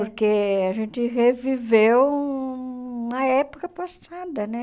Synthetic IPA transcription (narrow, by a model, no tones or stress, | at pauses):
urkeaʒent̪irevivew | naepokəpastad̪ənɛ